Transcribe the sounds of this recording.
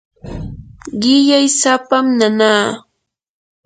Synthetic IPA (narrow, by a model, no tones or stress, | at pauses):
ɢɪʎajsapamnanaː